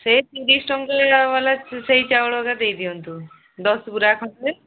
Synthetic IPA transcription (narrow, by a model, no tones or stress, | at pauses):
setiɾisʈɔŋɡlabalaseɦit͡ʃawɽɔɡad̪ejd̪iɔnt̪u | d̪ɔsɡuɾakʰɔte